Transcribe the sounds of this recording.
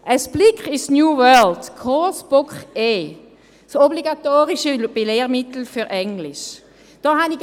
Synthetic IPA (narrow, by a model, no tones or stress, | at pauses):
ʔəsb̥lɪkχɪsnjuːwœːldkʰɔsb̥ɔkχeː | sɔbliɡat̪oːʁiʃəb̥eleːʁmɪt̪l̩fyʁʔɛŋlɪʃ | d̥ɔːɦani